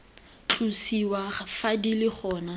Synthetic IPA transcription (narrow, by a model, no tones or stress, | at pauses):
t͡ɬʰʼusiwafadilɪχʰɔːna